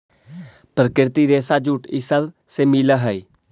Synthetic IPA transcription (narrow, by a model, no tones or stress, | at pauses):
pɾəkɪɾt̪iːɾeːsaːd͡ʒuːʈɪsəl | seːmiːləɦəiː